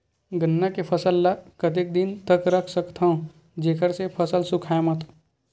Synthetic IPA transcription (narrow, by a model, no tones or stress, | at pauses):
ɡənːakepʰɐsəlːakət̪̬ɪk̚d̪int̪əkɾəkʰsəkt̪ʰɐ̃ | d͡ʒeːkəɾsepʰɐsəlsʊkʰajmɐt̪